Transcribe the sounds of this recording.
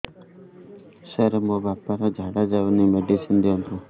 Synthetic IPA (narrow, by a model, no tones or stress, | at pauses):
seɾmobapaɾɔd͡ʒʱaɽad͡ʒaunimeɖisind̪iɔnt̪u